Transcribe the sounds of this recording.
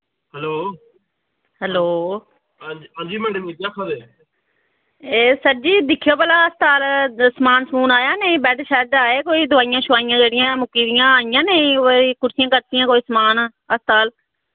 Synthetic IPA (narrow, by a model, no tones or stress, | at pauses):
ɦɛloː | hɛloː | ɦãːd͡ʒiːmɛːɖəmiːd͡ʒaːkʰad̪eː | eːsəʈd͡ʒiːd̪ɪkʰːijoːpəːlaːəst̪aːlsmaːnsəmuːnaːjaːneːbɛːʈʰːʃɛːd̪aːeːkoːiːd̪ʊʋaːɪjãːʃʊʋaːɪjãːd͡ʒeːɽɪjãːmʊkiːɾɪjãːaːɪjãːneikʊɾsɪjãːkəɾt̪ɪjãːkoːiːsəmaːn | əst̪aːl